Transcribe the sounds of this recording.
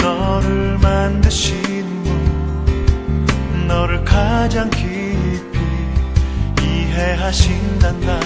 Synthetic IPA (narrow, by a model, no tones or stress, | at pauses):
nʌɾɯɭmandɯɕʰinɯnmo | nʌɾɯɭkad͡ʑaŋkʰi | pʰi | iɦeɦaɕʰindanda